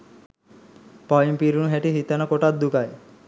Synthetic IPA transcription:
pɔjimpiɾunuɦeʈiɦit̪anɔkoʈat̪̚d̪ukaj

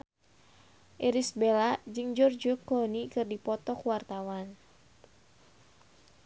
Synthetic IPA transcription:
ʔɛɾisbelad͡ʒɨŋd͡ʒɔrd͡ʒɔkɔnikɨrdipɔt̪ɔkwart̪awan

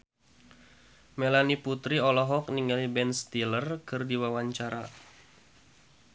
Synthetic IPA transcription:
melaniput̪ɾiɔlɔɦɔkniŋalibɛnst̪ilərkɨrdiwawaɲt͡ʃaɾa

